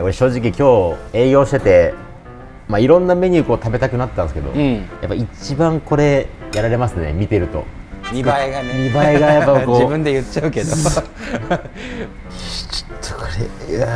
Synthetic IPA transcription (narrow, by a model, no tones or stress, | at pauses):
koɾeɕo̞ːʑik̬ʲikʲo̞ːe̞ːɡʲo̞ːɕi̥t̪e̞t̪e̞ | maiɾõ̞nːame̞ɲ̟ɨːkoːt̪abe̞t̪akɯnat̪et̪ːãnsɨ̥ked̪o̰ja̰pːait͡ɕibãŋko̞ɾe̞jaɾaɾe̞masɨne̞̰mʲit̪e̞ɾɯ̟t̪o̞̰ | ɲiaiɡanɲibaiɡajapːakod͡ʑːibɯ̟̃nd̪e̞jɯ̟t͡ɕaɯ̟ke̞d̪o | t͡ɕo̥t̪ʰːo̥kʰoɾḛa